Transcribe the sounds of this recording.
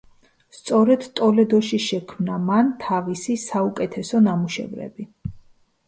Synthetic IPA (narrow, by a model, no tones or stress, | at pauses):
st̪sʼɔɾɛd̪̥t̪ʼɔlɛd̪ɔʃiʃɛkʰmnamant̪ʰavisisaukʼɛt̪ʰɛsɔnamuʃɛ̰vɾɛ̰bi